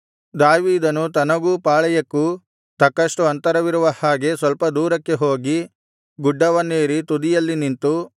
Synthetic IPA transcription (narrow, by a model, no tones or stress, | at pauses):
d̪aːʋiːd̪ɐnut̪ɐnɐɡuːpaːɭɐjɐkːu | t̪ɐkːɐʂʈuɐnt̪ɐɾɐʋiɾuʋɐhaːɡe̞sʋɐlpɐd̪uːɾɐkːe̞ɦo̞ːɡi | ɡuɖːɐʋɐnːeːɾit̪ud̪ijɐlːinint̪u